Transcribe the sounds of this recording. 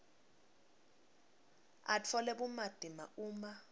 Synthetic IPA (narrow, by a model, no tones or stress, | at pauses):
a̰t͡fʰɔlɛɓumad̥ʱima̰uːma